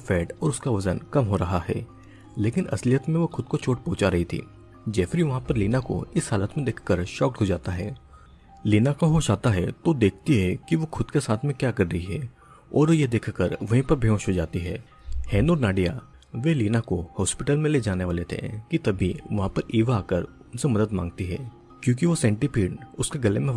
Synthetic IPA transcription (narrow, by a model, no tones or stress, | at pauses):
fɛːʈɔːɾʊskaʋɐzənkɐmɦoɾɐɦahɛː | leːkɪnʔɐ̰slɪjət̪mẽʋoxʊd̪̚kot͡ʃoːʈ̚põːt͡ʃaɾɐɦit̪ʰḭː | d͡ʒɛːfɪɾiʋɐɦãpɐɾliːnako̰ɪsɦaːlət̪mẽd̪eːkʰkəɾʃɔːkɦod͡ʒaːt̪aɦɛː | liːnakoɦoʃaːt̪aɦɛt̪od̪eːkʰt̪iɦɛkiʋoxʊd̪kesaːt̪ʰmẽkjaːkɐɾːɐɦiɦɛː | ɔːɾjed̪eːkʰkəɾʋɐɦĩpɐɾbʱjõːʃɦod͡ʒaːt̪iɦɛː | hɛːnoːɾnaːɖija̰ | ʋeliːnakohɔːspɪʈəlmẽled͡ʒaːneʋaːlet̪ʰḛ̃kit̪ɐbʱiʋɐɦãpɐɾiːʋaaːkəɾ | ʊnsemɐd̪əd̪mã̰ːŋɡ̚t̪iɦɛ̰ː | kjõːk̬iʋosɛ̃ːɳʈipʰiːɖʊskeɡɐlemẽ